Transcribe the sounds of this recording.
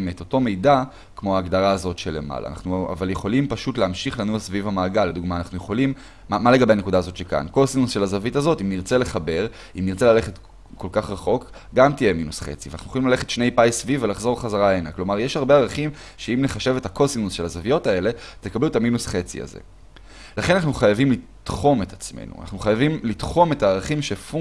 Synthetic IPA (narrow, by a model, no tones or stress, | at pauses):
me̞t̪oto̞me̞jda | kmo̞aːɡd̪aʁaːzo̞tʃe̞lema̰la̰ːna̰χnua̰valjeχo̞limpaʃutleamʃiχlanuasvivamaːɡalːed̪uɡmaːnaχnujeχo̞lim | amale̞ɡabe̞hanekudaːzo̞tʃeka̰nko̞sinunsʃe̞lazavitazo̞timniʁt͡se̞le̞χabe̞ʁ | imniʁt͡se̞lale̞χe̞t | ko̞lkaχʁaχo̞k | ɡamt̪ije̞minusχe̞̰t͡si̥venaχnujeoimlaleχe̞tʃne̞jpajsvivelaχzo̞ʁχazaʁaenaklo̞maʁjeʃhaʁbe̞aʁaχim | ʃeimneχaʃe̞vetakosinunsʃe̞lazavijo̞tae̞le̞t̪ekabluetaminusχe̞t͡sḭa̰zḛ | laχenanaχnuχajavimli | t̪χo̞me̞tat͡smḛnṵna̰χnuχajavimlit̪χo̞me̞taːʁaχimʃefu